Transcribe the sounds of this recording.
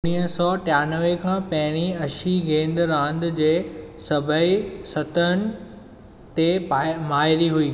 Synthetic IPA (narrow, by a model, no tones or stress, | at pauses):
ʊɽ̃iːɦəsɔːʈjaːnəʋekʰãːpɐ̃ɦɪɽ̃iɐʃiɡẽːnd̪ɾãːnd̪d͡ʑeːsɐbʱəisɐt̪ənɪ̆ | t̪emaːɪɾiɦuiː